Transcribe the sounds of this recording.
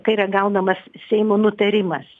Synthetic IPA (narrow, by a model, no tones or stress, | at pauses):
kɐɪiːrɐɡɐʊnɐmɐssʲɛɪmoːnʊt̪ɐɾʲɪmɐs